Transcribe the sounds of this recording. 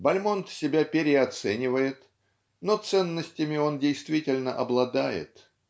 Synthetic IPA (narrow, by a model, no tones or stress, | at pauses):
bɐlʲmo̞nt̪sʲɪbʲapʲɪɾʲɪɐt̪sɛnʲɪvəjɪt̪ | no̞t̪sɛnːəsʲtʲɪmʲɪo̞ndʲɪjst̪vʲitʲɪlʲnəʔɐblˠɐd̪ajɪ̰t̪